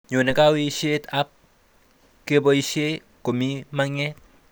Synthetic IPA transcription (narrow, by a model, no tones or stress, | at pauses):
ɲonekawiʃet̪ap̚ | kebɔiʃe | komimaŋɛt̚